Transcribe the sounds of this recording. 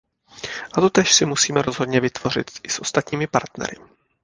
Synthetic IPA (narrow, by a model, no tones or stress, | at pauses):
ʔat̪o̞t̪ɛːʃsɪmusiːmɛɾo̞zɦod̪ɲɛvɪt̪v̥o̞r̝ɪ̰t̪ɪsʔo̞st̪at̪ɲiːmɪpa̰ɾt̪nɛ̰ɾɪ̰